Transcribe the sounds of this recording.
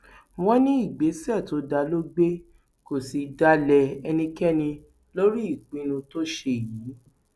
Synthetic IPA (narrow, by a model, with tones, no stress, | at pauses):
w̃ɔ̃˦nĩ˦i˦˨ɡ͡be˨˦sɛ˦˨to˨˦da˧lo˦ɡ͡be˦ | ko˨si˨˧da˦lɛ˧ɛ˧nĩ˧kɛ˦nĩ˧ | lo˦ɾi˦i˦˨k͡pĩ˦nũ˧to˦ʃe˦˨jiː˨˦